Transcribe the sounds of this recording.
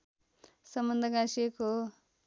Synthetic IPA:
sʌmbʌnd̪ʱʌɡaseko

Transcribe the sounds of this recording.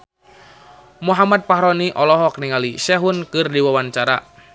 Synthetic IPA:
muɦamat̪̚paɦɾɔniʔɔlɔɦɔkniŋaliʃɛɦʊnkɨrdiwawant͡ʃaɾa̰

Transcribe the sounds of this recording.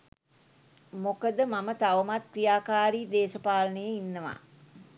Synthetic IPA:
mokəd̪əmamət̪aʋəmat̪krijaːkaːɾiːd̪eːʃəpaːlənəjəinːəʋa̰ː

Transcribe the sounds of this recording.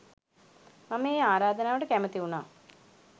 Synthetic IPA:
nɐmːeaːɾaːd̪ʱɐnaːoɽekeːmɐt̪ːiuɳaː

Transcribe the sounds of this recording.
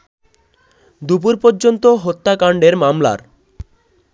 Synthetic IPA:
d̪up̬uɾpoɾd͡ʑont̪oɦot̪ːakaɳɖeɾmamla̰ɾ

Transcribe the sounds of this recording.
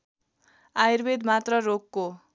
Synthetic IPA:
airbed̪mat̪rʌrokːo

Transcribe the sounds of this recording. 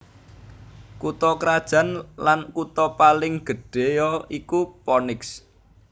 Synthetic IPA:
kut̪ɔkɾad̥ʒ̥a̤nlankut̪ɔpalɪŋɡ̥ə̤ɖ̥e̤jɔikupɔnɪks

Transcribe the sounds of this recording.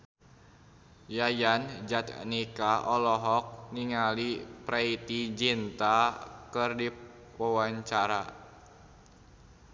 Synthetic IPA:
jajand͡ʒat̪nikaʔɔlɔɦɔk̚niŋalipɾait̪id͡ʒint̪akɨrdi | wawaɲt͡ʃaɾa

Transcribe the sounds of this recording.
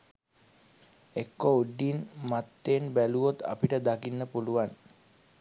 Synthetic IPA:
ekːouɖinmat̪ːeːnbæluʋot̪a̰piʈəd̪akinːəpuluʋan

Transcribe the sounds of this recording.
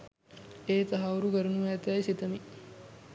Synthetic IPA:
eːt̪ɐɦauɾuɡəɾunumæːt̪jɐjsit̪əmi

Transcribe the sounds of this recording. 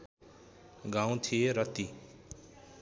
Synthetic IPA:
ɡaw̃t̪ʰieɾʌt̪i

